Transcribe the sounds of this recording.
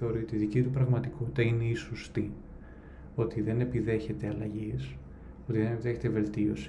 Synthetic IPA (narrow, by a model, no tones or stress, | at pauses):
eo̞ɾio̞t̪iːðicit̪upɾɐɣmɐt̪ikut̪ɐine̞isost̪i | o̞t̪iðe̞ne̞piðe̞çe̞t̪eɐlɐʝis | o̞t̪iðenepiðe̞çe̞t̪eve̞lt̪io̞̰s